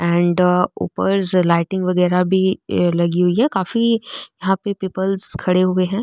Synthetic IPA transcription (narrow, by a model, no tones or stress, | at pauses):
ɛ̃ːɳɖṵːpəɾzlaːɪʈɪ̃ŋɡʋɐɣɛːɾabʱilɐɡiɦʊiɦɛkaːfijɐɦãpepiːpəlzkʰɐɽeɦʊeɦɛ̃ː